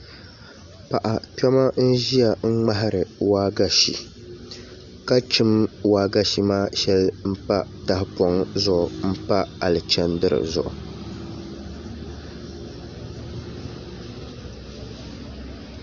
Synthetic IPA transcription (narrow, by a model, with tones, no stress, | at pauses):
pa˨ʔa˨tɛ˦ma˦n̩˦ʒi˦a˨ŋ̩˦ŋ͡ma˦ɦɪ˦ɾɨ˨waː˦ɡa˦ʃḭ˨ | ka˦t͡ʃɨ˦mwaː˦ɡa˦ʃi˨maː˦ʃɛ˦lm̩˦pa˦ta˦hɪ˦pɔ˦ŋzʊ˦˨ʔʊ˨m̩˦pa˦a˨lɨ˨t͡ʃɛ˦ndɨ˦ɾɨ̰˨zʊ̰˨ʔʊ̰˨